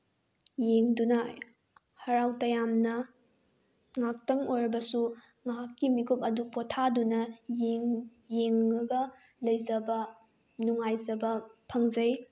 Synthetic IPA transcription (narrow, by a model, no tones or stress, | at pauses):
jeŋdunɐ | hɐɾawtɐjamnɐ | ŋak̚tɐŋojɾɐbɐsu | ŋaɦakːimikʰupɐdupotʰadunɐjeŋ | jeŋːɐɡɐ | lɐjzɐbɐ | nuŋajzɐbɐpʰɐŋzɐj